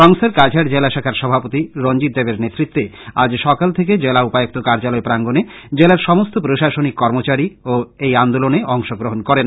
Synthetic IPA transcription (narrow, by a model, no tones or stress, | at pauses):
ɾɔŋseɾkad͡ʑʰʱaɾd͡ʑelaʃakʰaɾʃɔbʱapot̪iɾond͡ʑit̪̚d̪ebeɾnet̪ːɾit̪ːea̰d͡ʑʃɔkalt̪ʰeked͡ʑelaupajok̚t̪okaɾd͡ʑalɔepɾaŋɡoned͡ʑelaɾʃɔmost̪opɾoʃaʃonikːɔɾmot͡ɕaɾioejand̪oloneʔɔŋʃoɡɾoɦonkɔɾen